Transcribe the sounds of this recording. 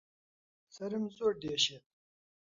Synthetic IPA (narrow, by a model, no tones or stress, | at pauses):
sɐɾimzoːɖeːɕet̪̚